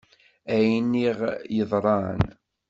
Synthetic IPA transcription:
æjnːiʁjəðˤɾˤɑ̰n

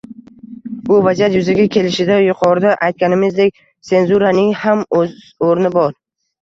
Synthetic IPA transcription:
bʊvad͡ʒat̪jʊzaɡʲakʲʰe̞lɪʃɪd̪ajʊqʰɒɾd̪aʔajt̪̚kʲanɪmɪzd̪e̞k̚ʲ | se̞nzuɾanɪŋhamz | oɾnɪbɒɾ

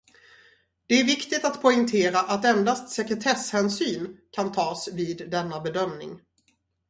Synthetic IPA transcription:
d̪̥ɛæɾvɪkt̪ɪt̪at̪pʰɔɪŋt̪ʰeːɾaʔat̪ɛnd̪ast̪sɛkɾɛt̪ʰɛshɛːnsyːnkʰant̪ʰɑːsviːd̪ːɛnːabɛd̪œmnɪ̰ŋ

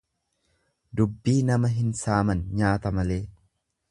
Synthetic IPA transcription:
d̪ʊbːiːnɐmɐɦɪnsaːmɐnɲaːt̪ɐmɐle̞ː

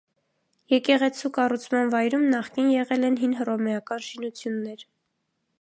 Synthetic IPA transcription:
jɛkɛʁɛt͡sʰukɑrut͡sʰmɑnvɑjɾumnɑχkinjɛʁɛlɛnɦinɦərɔmɛɑkɑnʃinut͡sʰjunːɛɾ

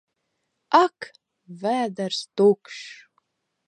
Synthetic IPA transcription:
akʰ | væːd̪arst̪okʂ

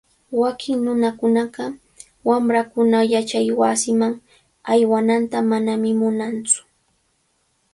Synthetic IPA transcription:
wakʰɪŋnʊnakʊnɑɢɑ | wamɾakʊnajat͡ʃajwasɪmaŋ | ajwanant̪amanamɪmʊnant͡sʊ̥

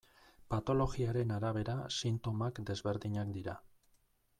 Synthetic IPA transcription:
pat̪o̞lo̞ɣiaɾe̞naɾaβ̞e̞ɾasint̪o̞makd̪e̞zβe̞ɾðiɲakd̪iɾa

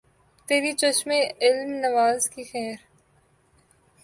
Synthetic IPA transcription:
t̪eːɾit͡ʃɐʃmeɪlmnɐʋaːzkixɛːɾ

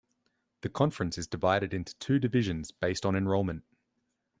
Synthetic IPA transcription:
ðəkʰɒ̃ɱfɹə̃nsɪzdɪvaɪɾɪɾɪ̃ntʰu̥tʰʉːdɪvɪʒə̃nzb̥eɪstn̩ɛ̃nɹɔʊlˠmə̃nʔ

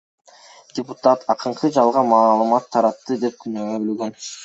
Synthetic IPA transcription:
d̥ʲɪput̪at̪ʰɑqɯɴqʰɯd͡ʒɑlˠʁɑmɑːlˠɯmɑt̪ʰːɑɾɑt̪ːɯd̪e̞p̚kynøøbølɡøn

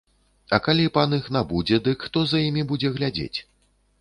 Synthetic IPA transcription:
ɐkalʲipanɨxnabud͡zʲɛd̪ɨkxt̪ɔzɐjimʲibud͡zʲɛɣlʲad͡zʲḛt͡sʲ

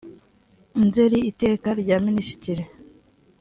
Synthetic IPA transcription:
nzeɾiːte̞ːkaɾɟaːminiʃi̥ciɾe

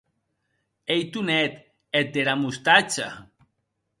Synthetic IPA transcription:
ejt̪unɛt̪ | et̪̚d̪eɾamust̪at͡ʃa̰

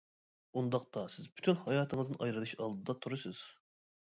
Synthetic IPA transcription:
und̪ɑq̚t̪ɑsɪzby̥t̪ʰynhɑjɑːt̪ʰɨŋɨzɨʔɑjɾɨlˠɨʃɑlˠd̪ɨd̪ɑt̪ʰuɾɨsɨz̥

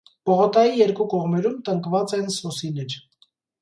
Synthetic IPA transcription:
pɔʁɔt̪ɑjijɛɾkukɔʁmɛɾumt̪əŋkvɑt͡sɛnsɔsilɛɾ

